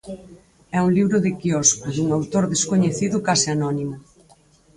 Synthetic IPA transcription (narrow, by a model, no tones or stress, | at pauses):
ɛuŋliβɾʊðɪkiɔskʊðuŋawt̪oɾðeskoɲeθiðʊkasɪanɔnimʊ